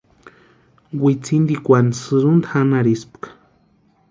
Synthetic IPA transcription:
wit͡sind̪ikʷansɨɾund̪axanaɾispkḁ

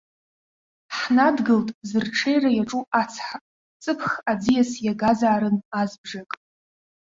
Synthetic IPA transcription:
ħnadɡɨltʼzɨrʈ͡ʂʰejrajaʈ͡ʂʼuʔat͡sʰħa | t͡sʼɨpʰχad͡zijasjaɡazaːɾɨnazbʐakʼ

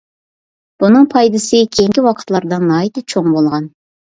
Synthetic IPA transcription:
b̥unɨŋpʰɑjd̪ɨsɨkʲʰeŋkʲiwɑqʰə̥t̪lˠɑɾd̪ɨnːɑːit̪ɨt͡ʃʰoŋbolˠʁɑn

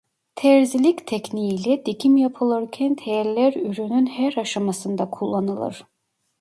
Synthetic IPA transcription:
t̪ʰɛɾzilʲict̪ʰɛcnilʲɛd̪̥icʰimjapʰɯlˠɯɾcʰɛnt̪ʰɛjɾlʲæɾyɾynynhæɾaʃamasɯnd̪akʰulˠːanɯlˠɯ̰ɾ̥

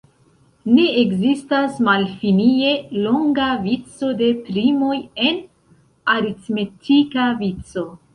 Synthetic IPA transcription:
ne̞eɡzistasmalfinie̞lo̞ŋɡavit͡so̞de̞pɾimo̞je̞n | aɾitme̞tʰikavit͡so̞

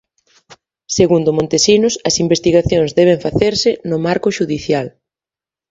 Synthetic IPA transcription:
seɣund̪ʊmõnt̪esinʊsɐsimbest̪iɣaθjõŋzðɛβ̞eɱfaθeɾsɪnʊmaɾkʊʃuðiθjal

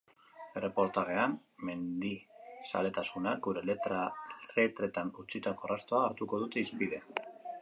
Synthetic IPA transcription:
e̞re̞po̞ɾt̪aɣe̞am | me̞nd̪isa̰le̞t̪asunak̚ɡuɾe̞lale̞t̪ɾe̞t̪anut͡sit̪ako̞rast̪oaːɾt̪uko̞ð̞ut̪e̞ispið̞e̞

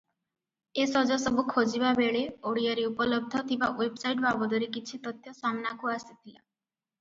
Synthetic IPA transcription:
esɔd͡ʒɔsɔbukʰod͡ʒibabeɭeoɽiaɾiupɔlɔb̚d̪ʱɔt̪ʰibawebsajʈbabɔd̪ɔɾikit͡ʃʰit̪ɔt̪jɔsamnakuasit̪ʰila̰

